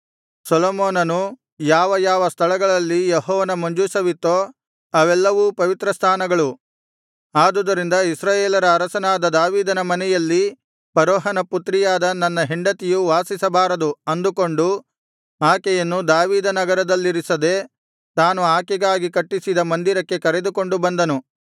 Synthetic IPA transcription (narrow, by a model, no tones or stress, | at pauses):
sɐloːmoːnɐnu | jaːʋɐjaːʋɐst̪ʰɐɭɐɡɐɭɐlːijɛɦɔːʋɐnɐmoɲd͡ʒusɐʋit̪ːoː | ɐʋɛlːɐʋuːpɐʋit̪ɾɐst̪ʰaːnɐɡɐɭu | aːd̪ud̪ɐɾind̪ɐisɾaːjeːlɐɾɐːɾɐsɐnaːd̪ɐd̪aːʋiːd̪ɐnɐmɐnɛjɐlːi | pɐɾɔːɦɐnɐput̪ɾijaːd̪ɐnɐnːɐɦiɳɖɐt̪ijuʋaːsisɐbaːɾɐd̪uɐnd̪uko̞ɳɖu | aːkɛjɐnːud̪aːʋiːd̪ɐnɐɡɐɾɐd̪ɐlːiɾisɐd̪e̞ː | t̪aːnuaːkɛɡaːɡikɐʈːisid̪ɐmɐnd̪iɾɐkːe̞kɐɾe̞d̪uko̞ɳɖubɐnd̪ɐnu